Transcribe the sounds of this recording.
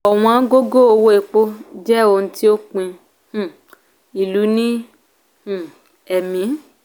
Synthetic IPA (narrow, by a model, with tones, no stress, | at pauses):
ɔ˨w̃ɔ̃˧ã˦ɡo˦ɡo˦o˧wo˦e˨k͡po˦d͡ʒɛ˦o˧n̩˦ti˦o˦k͡pĩ˧ | hũ˨ | i˨lu˨˦nĩ˦ | hũ˦˨ | ɛ˨mĩ˨˦